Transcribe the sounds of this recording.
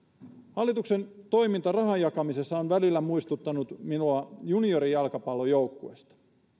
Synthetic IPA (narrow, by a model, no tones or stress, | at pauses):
hɑlːit̪uksent̪o̞imint̪ɑrɑhɑjɑkɑmisesːɑonʋælilːæmuist̪ut̪ːɑnut̪minuɑjunioɾijɑlkɑpɑlːˑojoukːuḛst̪ɑ̥